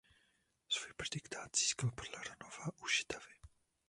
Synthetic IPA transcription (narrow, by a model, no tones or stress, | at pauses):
svuːjprɛd̪ɪkt̪aːt̪z̥iːskalpodlaɾanovaʔuʃɪ̥t̪avɪ